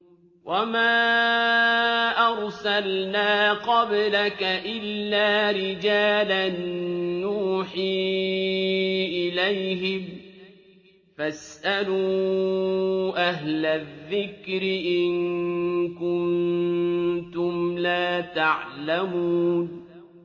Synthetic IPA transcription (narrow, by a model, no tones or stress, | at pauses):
wʔamaː | ʔɑɾˤsalnaːqɑblakaʔɪlːaːɾɪd͡ʒaːlanː | uːħiː | ʔɪlajɦɪm | fasʔaluː | ʔaɦlaðːɪkɾɪʔɪn | kʊnn | t̪ʊmlaːt̪aʕlamuːn